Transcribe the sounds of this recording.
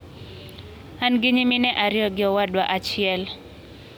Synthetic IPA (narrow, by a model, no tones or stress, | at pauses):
anɡɪɲiminɛʔaɾɪɔɡɪɔwadwaʔat͡ʃɪɛl